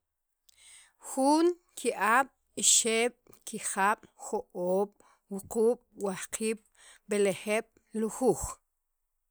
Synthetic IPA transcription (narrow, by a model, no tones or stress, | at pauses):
xuŋ | kʰiʔaːɓ̥ | iʃeːɓ̥ | kiχaɓ̥xoʔoːɓ̥ | wuquːɓ̥wahqiːɓ̥ | beleχeɓ̥ | luxuːχ